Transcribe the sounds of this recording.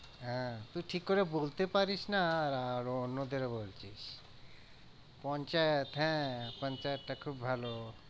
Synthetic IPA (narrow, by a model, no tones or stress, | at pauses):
ɦɛ̃t̪uʈʰikːoɾebolt̪epaɾiʃnaːɾaɾonːod̪ʱeɾebolt͡ɕiʃ | pɔnt͡ɕajet̪ɦɛ̃pɔnt͡ɕajet̪ʈakʰubbʱalo